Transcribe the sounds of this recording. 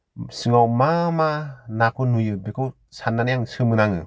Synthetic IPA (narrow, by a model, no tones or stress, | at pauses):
sɯŋawmamanakʰɯnujɯbekʰɯw | sanːanajaŋsɯmɯnaŋɯ